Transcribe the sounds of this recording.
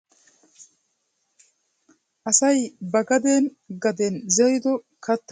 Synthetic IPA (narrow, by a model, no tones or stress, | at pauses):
ʔɐsɐjbɐɡɐd̪eːn | ɡɐd̪ɛnzɛjd̪ɔ | kʰɐt̪ː